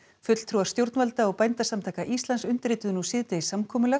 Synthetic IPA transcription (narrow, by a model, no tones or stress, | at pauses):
fʏt̪l̥t̪ʰɾuːaɾ̥st̪jowɾt̪nvalt̪aɔɣpajnt̪asamt̪ʰaːjkaʔist̪lansʏnt̪ɾɪːt̪ʏðʏnusɪːt̪ɪisamkʰɔːmʏlɛ